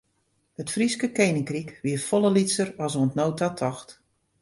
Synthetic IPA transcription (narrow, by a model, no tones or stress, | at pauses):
hətfriskəkejnɪŋkrikʋiəfɔləlitsərɔsoəntnoːtʰatʰɔxt